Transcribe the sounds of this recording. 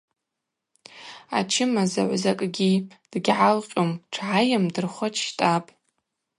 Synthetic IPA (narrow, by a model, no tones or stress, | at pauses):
a̰t͡ʃʰɪmaza̰ʕʷzakʼɡʲid̥ɡʲʕalqʲʼomʈ͡ʂʰʕajamdɨrχʷat͡ʃʰʃtʼapʼ